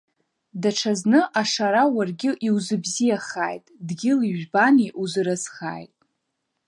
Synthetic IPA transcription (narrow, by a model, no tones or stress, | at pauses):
daʈ͡ʂʰaznɨʔaʂaɾawarɡʲɪʔiwzɨbzijaχaːjtʼdɡʲɪliʒᶣbaniʔuzɨɾɨzχa̰ːjtʼ